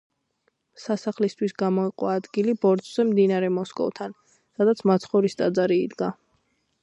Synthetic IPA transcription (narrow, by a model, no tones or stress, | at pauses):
sasaχlist̪ʰwisɡamɔiqʼwaːd̪ɡilibɔɾd̪ʼz̥ɛmd̪inaɾɛmɔskʼɔ̰vt̪ʰan | sad̪at̪sʰmat̪sʰχɔɾist̪ʼad̪zaɾiːd̪ɡa